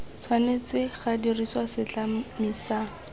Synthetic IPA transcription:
t͡sʰwanet͡sɪχadiriswasɪt͡ɬamiːsa

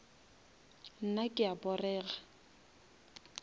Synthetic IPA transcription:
n̩nakʼɪabɔrɛːɣa

